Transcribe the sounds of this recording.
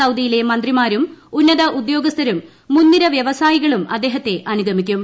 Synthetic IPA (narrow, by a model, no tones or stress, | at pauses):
ɐwd̪ijile̞mɐnd̪rimaːɾumunːɐðɐʔud̪jo̞ːɡɐst̪ʰɐɾumː | unːiɾɐʋjeʋɐsaːjiɣɐɭumɐ̰d̪ːe̞ːɦɐt̪ːe̞ʔɐnuɡɐmikʲːum